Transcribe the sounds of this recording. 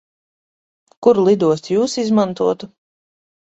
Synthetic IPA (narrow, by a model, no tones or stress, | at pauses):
kuɾlˠid̪uɔst̪juːsizmant̪uɔt̪u